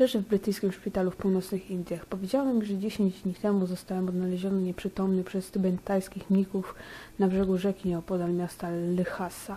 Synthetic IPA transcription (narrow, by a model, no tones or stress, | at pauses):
lɛʐɘvbɾɘt̪ɘjskʲimʂpʲit̪alufpuwnɔt̪snɘxind̪ʲjaxpɔvʲjed͡ʑawɛmʲiʐɛd͡ʑeɕeɲd͡ʑd̪ɲit̪ɛmuzɔst̪awɛmɔd̪nalɛʑɔnɛɲɛpʂɘt̪ɔmnɘpʂɛst̪ubɛnt̪ajskʲixmʲikufnabʐɛɡuʐɛkʲinɛɔpɔd̪almʲjast̪alɛxasa